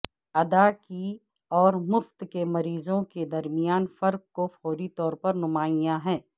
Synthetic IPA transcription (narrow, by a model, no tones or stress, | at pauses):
ɐd̪aki | ɔːɾmʊft̪kemɐɾiːzõked̪ɐɾmɪjaːnfɐɾk̚kofɔːɾit̪ɔːɾpɐɾnʊmaːijãɦɛ̃ː